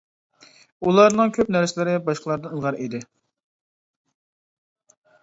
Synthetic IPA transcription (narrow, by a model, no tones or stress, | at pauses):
ulˠɑɾnɨŋkʲʰøpnæɾsɪlɪɾɪbɑʃqʰlˠɑɾd̪ɨəlˠʁɑɾid̪ɪ